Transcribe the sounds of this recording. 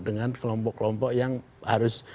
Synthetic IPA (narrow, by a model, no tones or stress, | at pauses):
dəŋankəlɔmpɔʔkːəlɔmpɔʔjaŋ | haɾʊs